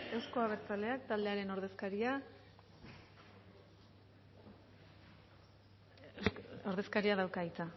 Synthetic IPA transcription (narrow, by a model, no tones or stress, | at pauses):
e̞wsko̞aβe̞ɾt͡sale̞ak̚t̪ald̪e̞aɾe̞no̞ɾðe̞skaɾia | oɾðe̞skaɾiaðawkait͡sa